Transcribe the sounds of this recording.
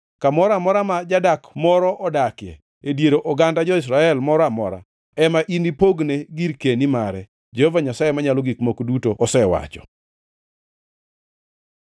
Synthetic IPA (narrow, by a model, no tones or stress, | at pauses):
kamɔɾamɔɾamad͡ʒadakmɔɾɔʔɔdakɪɛ̰ | edjeɾoʔɔɡandad͡ʒɔɪs̬ɾaɛlmɔɾɔamɔ̰ɾa̰ | ɛmaʔinipoɡneɡiɾkenimaɾɛ | d͡ʒɛhovaɲasajemaɲalɔɡikmokdutoʔɔsɛwa̰t͡ʃɔ̥̰